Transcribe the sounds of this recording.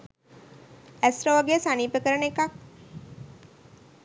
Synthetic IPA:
æsɾoʋɐɡesaniːpəkəɾənekɐk

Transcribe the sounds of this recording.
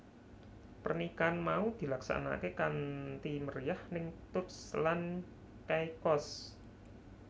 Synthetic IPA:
pərnikanmaud̪̥i̤laksa̰na̰kekant̪iməɾijahnɪŋt̪ʊt̪̚slan | kajkɔs

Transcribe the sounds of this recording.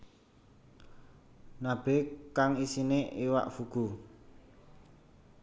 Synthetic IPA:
nab̥ekaŋisineʔiwa̰ʔfuɡ̥u

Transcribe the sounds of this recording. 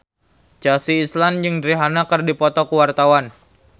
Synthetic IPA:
t͡ʃasiːsland͡ʒɨŋdɾiɦanakɨrdipɔt̪ɔkuwart̪awan

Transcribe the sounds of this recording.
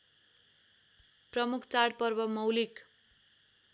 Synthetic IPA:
prʌmukʰt͡saɽpʌrbʌmʌwlik

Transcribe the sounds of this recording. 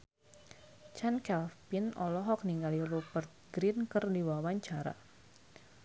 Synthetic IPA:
t͡ʃankɛlpinɔ̰lɔɦɔk̚niŋɡalilupərt̪̚ɡɾinkərdiwawaɲt͡ʃaɾa̰

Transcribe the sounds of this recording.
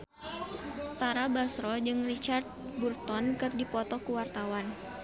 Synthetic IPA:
t̪aɾabasɾɔd͡ʒɨŋrit͡ʃart̪̚burt̪ɔnkɨrdipɔt̪ɔkuwart̪awan

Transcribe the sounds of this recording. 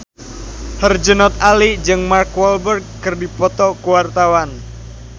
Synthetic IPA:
hərd͡ʒənɔt̪alid͡ʒɨŋmarkwɔlbərɡ̚ːɨrdipɔt̪ɔkuwart̪awan

